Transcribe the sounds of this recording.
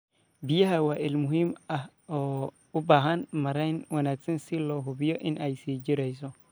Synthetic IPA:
bijaɦawaʔilmʊɦimah | ɔ | ubaɦanmɐɾanwɐnaksɛnsilɔɦubijɔʔinʔajsiːd͡ʒiɾɛjs̬ɔ

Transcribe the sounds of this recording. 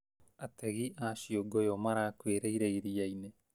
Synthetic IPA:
ateɣiʔaːʃioɡojomaɾakweːɾeiɾeiɾijaine

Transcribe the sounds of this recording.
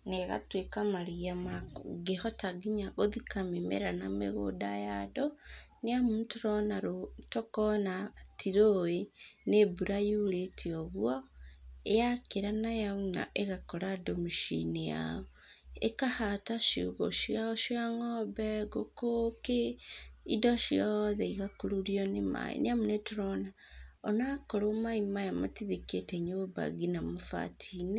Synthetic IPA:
neɣa̰twekamaɾiamaɡehɔtaɡiɲaɣoðikamemḛɾanamḛɣo̰dajadoneamuːtoɾɔnaɾotokɔnatiɾoenebuɾajuletʰeɔɣuɔ | eakeɾanajauna̰ʔeɣakɔɾadomiʃḭnija̰ɔ | ḛkahataʃiuɣo̰ʃiaʃiaŋɔbɛɡokokeidɔʃiaðɛiɣakuɾuɾiɔnema̰ḭneamunetuɾɔna | ɔnakoɾomaimajamatiðiketɛɲoba̰ɡinamofa̰tʰine

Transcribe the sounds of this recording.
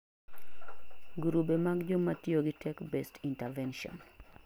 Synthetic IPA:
ɡuɾubemaɡd͡ʒomːatioɡitɛkbɛstʰintɛvɛnʃɔ̰n

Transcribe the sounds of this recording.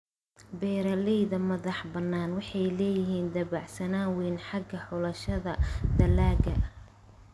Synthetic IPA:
bɛːɾɐlɛjðɐmɐðɑħbɐnːaːnwɑħɑjlɛːjɪɦiːnd̪ɐβɑʕsɐnaːwɛnħɑɡɐħʊlɐʃɐðɐd̪ɐlaːɡɐ̰

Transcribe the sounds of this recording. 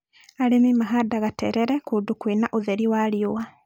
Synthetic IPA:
aɾemimaɦadaɣatɛɾɛɾɛkuːdukwinaʔoðɛɾiwaːɾjowa

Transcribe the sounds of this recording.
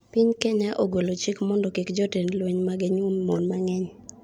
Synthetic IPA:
piɲkɛɲaʔoɡolot͡ʃikmɔndɔkɪkd͡ʒɔtenlweɲmaɡɪɲʊmmɔnmaŋɛɲ

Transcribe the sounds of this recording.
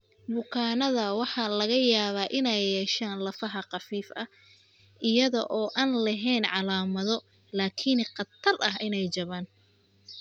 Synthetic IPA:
bʊkʰaːnɐðɐwɑħɑlɐɣɐjaːβaːʔɪnɛjːɛːʃaːnlɐfɐɦɐqɑfiːfɐ | ʔɪjɐðɔ̰ʔɔːʔaːnlɐɦɛjnʕɑlaːmɐðɔ | laːkʰɪnqɑt̪ʰːɐrʔɐɦʔɪnɛjt͡ʃɐβaːn

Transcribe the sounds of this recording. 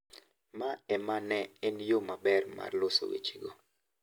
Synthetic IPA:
maɛmanɛɛnjomabɛrma̰rloso̰wḛt͡ʃiɡo

